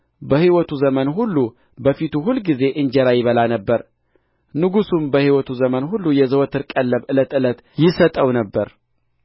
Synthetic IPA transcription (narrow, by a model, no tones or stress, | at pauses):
bəhiwɔt̪ʰuzəmənɦulːu | bəfit̪uɦulɡize̞ʔɨɲd͡ʒɛɾajɪβəlanəbːəɾ | nɨɡusumbəhiwɔt̪ʰuzəmənɦulːujɛzəwɔt̪ʰɨɾkʼəlːəβʔɨlət̪ɨlət̪ | jɪsət̪ʼəwnəbːəɾ